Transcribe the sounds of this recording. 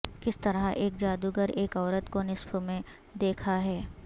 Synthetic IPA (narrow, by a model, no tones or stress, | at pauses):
kɪst̪ɐɾaʔeːk̚d͡ʒaːd̪uɡəɾeːkɔːɾət̪konɪsfomẽ | d̪eːkʰaɦɛː